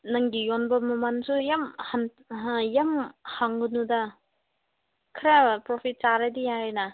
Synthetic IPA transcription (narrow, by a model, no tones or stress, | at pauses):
nɐŋɡijonbɐmɐmansujamhan | jamhaŋɡɯnudɐ | kʰɯɾapɾopʰit̚t͡ʃaɾadijaɾenɐ